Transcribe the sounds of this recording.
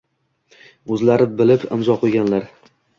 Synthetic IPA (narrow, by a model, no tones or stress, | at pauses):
ɵzlaɾɪbɪlɪpɪ̰mzɒqʰoɡʲanlaɾ